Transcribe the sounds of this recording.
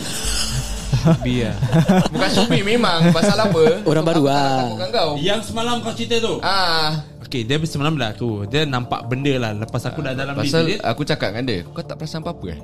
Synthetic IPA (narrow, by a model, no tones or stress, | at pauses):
biabukansobimemaŋpasalapəoɾaŋbaɾuaakukɡaŋɡawjaŋsəmalamkawt͡ʃit̪ət̪uʔa | okediəbəsəmalamlat̪udiənampa̰ʔbəndəlahləpasakudadalampaisalia̰kut͡ʃakat̪̚ŋandəku̥kat̪a̰ʔpəɾasampapə̰